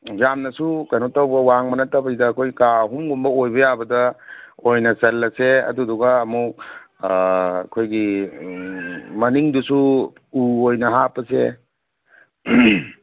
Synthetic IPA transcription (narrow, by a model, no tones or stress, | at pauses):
jamnɐsukajnɔtawbɐwaŋmɐnɐtabɐsidɐkʰojkaɦumɡumbɐojbɐjabɐdɐojnɐsɐlːɐseɐ̰duduɡaːmuk̚ | kʰojɡi | mɐniŋdusu | uojnɐɦapɐsḛ